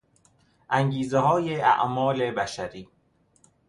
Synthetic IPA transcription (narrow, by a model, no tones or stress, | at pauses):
ʔæŋɟiːzeɦɒːjeæ̰ʔmɒːlebæʃæɾiː